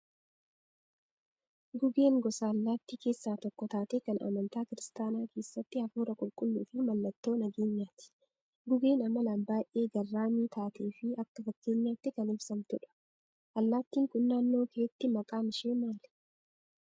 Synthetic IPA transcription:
ɡʊɡe̞ːŋɡɔsaːɐlːaːt̪ːiːke̞ːsːaːt̪ɔkːɔt̪aːt̪eːkɐnɐ̰mɐnt̪aːkɪɾɪst̪aːnaːkʰe̞ːsːɐt̪ːɪhɐfuːɾɐkʼʊlkʼʊlːuːfɪmɐlːɐt̪ːo̞ːnɐɡeːɲːaːt̪ɪ̥ | ɡʊɡe̞ːnɐmɐlanbaːjʔe̞ːɡɐrːaːmiːt̪ʰaːt̪ʰe̞ːfɪɐkːɐfɐkːe̞ːɲːaːt̪ːɪkɐnɪfsɐmt̪ʊᶑɐ̥ | ʔɐlːaːt̪ːiːŋkʼʊnːaːnːo̞ːkeːt̪ːɪmɐkʼaːmɪʃeːmaːlɛ̥

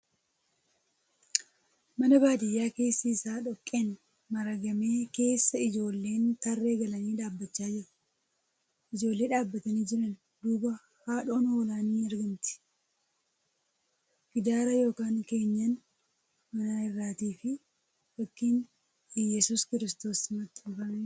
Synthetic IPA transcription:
mɐnɐbaːd̪ɪjːaːke̞ːsːisaːᶑɔkʼːeːn | mɐɾɐɡɐme̞ːke̞ːsːɐɪd͡ʒo̞ːlːe̞ːnt̪ɐrːe̞ːɡɐlɐniːᶑaːbːɐt͡ʃːaːd͡ʒɪɾʊ̥ | ʔɪd͡ʒo̞ːlːe̞ːᶑaːbːɐt̪ɐniːd͡ʒɪɾɐn | d̪uːbɐ | haːᶑo̞ːnɐwɐlaːniːɐɾɡɐmt̪ɪ̥ | ɡ̥ɪd̪aːɾɐjo̞ːkaːŋke̞ːɲːɐn | mɐnaːɪrːaːt̪iːfɪ | wɐkːin | jɛsuːskɪɾɪst̪o̞ːsmɐt̪ʼːʊfɐn

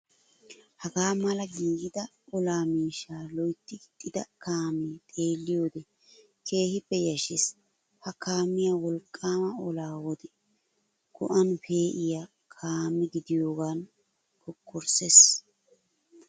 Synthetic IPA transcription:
hɐɡaːmɐlɐɡiːɡɪd̪ɐ | ɔlaːmiːʃaːlɔjt̪ːɪt̪ʼːɪd̪ɐkaːmeːt̪ʼe̞ːlːɪjo̞ːd̪ɛ | kʰe̞ːhɪpːɛjɐʃɪs | hɐkaːmːɪjawɔlkʼːaːmɐɔlaːwɔd̪ɛ | ɡ̥ɔ̰ʔɐnfe̞ːʔɪja | kʰaːmːɪɡɪd̪ɪjo̞ːɡaːn | kɔkʰːɔɾses

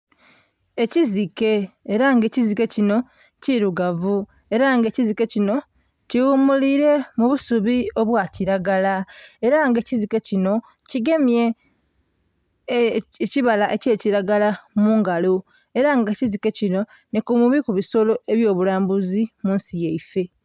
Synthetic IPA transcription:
e̞cizike̞ːɾaŋɡe̞ːcizike̞cino̞ | ciɾuɡavu | e̞ɾaŋɡe̞ːcizike̞cino̞ | ciwuːmuliɾe̞muβusuβio̞βwaciɾaɡalae̞ɾaŋɡeːcizike̞cino̞ | ciɡe̞mje̞ | ciβalaʔe̞ce̞ːciɾaɡalamuːŋɡalo | e̞ɾaŋɡecizike̞cino̞ | nikumuβikuβiso̞lo̞ʔe̞βjo̞ːβulaːmbuzimuːnsijeife̞

